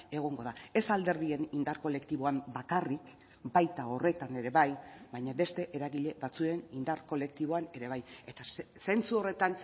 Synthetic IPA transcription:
e̞ɣ̞o̞ŋɡo̞ðae̞sald̪e̞ɾðie̞nind̪aɾko̞le̞kt̪iβo̞ambakarik | bajt̪ao̞re̞t̪ane̞ɾe̞βajbajɲaβe̞st̪e̞ʔeɾaɣiʎe̞βat͡sue̞nind̪aɾko̞le̞k̚t̪iβo̞ane̞ɾe̞β̞aje̞t̪a | se̞nt͡suo̞re̞t̪an

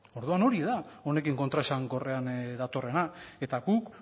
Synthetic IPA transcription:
o̞ɾðuano̞ɾiðao̞ne̞kiŋkot̪ɾaesaŋɡo̞re̞and̪at̪o̞re̞nae̞t̪aɡuk

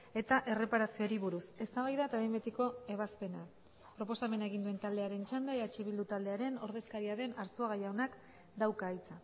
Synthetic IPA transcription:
e̞t̪aʔe̞re̞paɾasio̞ɾiβuɾuse̞st̪aβajðat̪aβejmbet̪iko̞e̞β̞aspe̞na | pɾo̞po̞same̞naeɣ̞ind̪ue̞nt̪ald̪e̞aɾe̞nt͡ʃand̪aeðat͡ʃiβild̪ut̪ald̪eaɾe̞no̞ɾðe̞skaɾiaðe̞naɾsuaɣajaonak | d̪awkaːjt͡sa

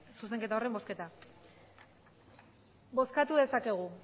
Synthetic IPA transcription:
suse̞ŋke̞t̪aore̞mbo̞ske̞t̪a | bo̞skat̪uðe̞sake̞ɣ̞u

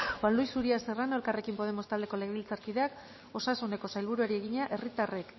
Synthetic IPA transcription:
xwanlujsuɾiase̞ranolkare̞kimpo̞ð̞e̞mo̞st̪ald̪e̞ko̞le̞ɣilt͡saɾkið̞e̞ak | o̞sasune̞ko̞sajlβuɾuaɾie̞ɣ̞iɲaʔe̞rit̪arek

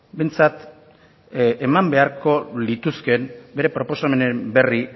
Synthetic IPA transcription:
be̞jnt͡sat̪ | emambe̞aɾko̞lit̪uske̞nbe̞ɾe̞pɾo̞po̞same̞nembe̞ri

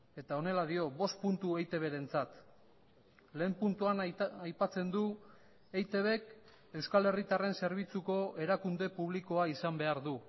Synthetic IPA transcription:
e̞t̪ao̞ne̞laðio̞βo̞st̪punt̪uejt̪e̞β̞e̞ɾe̞nt͡sat̪ | le̞ːmpunt̪uanajpat͡se̞nd̪u | ejt̪e̞βe̞k | e̞wskale̞rit̪are̞nse̞ɾβ̞it͡suko̞ʔe̞ɾakund̪e̞puβ̞liko̞aisambe̞aɾðu

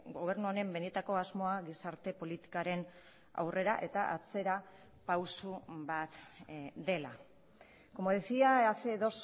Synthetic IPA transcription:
ɡo̞β̞e̞ɾnuoɾe̞mbe̞net̪ako̞azmo̞aɣisaɾt̪e̞po̞lit̪i̥kaɾe̞n | a̰wrʔe̞ɾaʔe̞t̪aʔat͡se̞ɾa | pawsubat̪d̪e̞la̰ | ko̞moðisiaaθeðo̞s

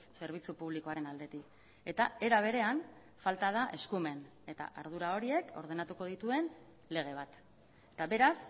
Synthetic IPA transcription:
sse̞ɾβ̞it͡supuβ̞liko̞aɾe̞nald̪e̞t̪ik | e̞t̪ae̞ɾaβ̞e̞ɾe̞an | falt̪aðaʔe̞skume̞n | e̞t̪a̰ʔa̰ɾð̞uɾao̞ɾie̞ko̞ɾð̞e̞nat̪uko̞ð̞it̪ue̞n | le̞ɣ̞e̞β̞at̪ | et̪aβe̞ɾas

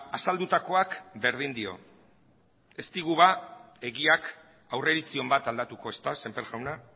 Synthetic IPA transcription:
asald̪ut̪ako̞akbe̞ɾð̞ind̪io̞̰ | e̞st̪iɣuβae̞ɣiak | awre̞ɾit͡sio̞mbat̪ald̪at̪uko̞e̞st̪ase̞mpeɾɣawna

